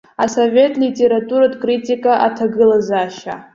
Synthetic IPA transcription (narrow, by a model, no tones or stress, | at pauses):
asovʲe̞tʼlʲitʲʼe̞ɾatʼuɾadkʼritʼikʼaʔatʰaɡɨlazaːʃa̰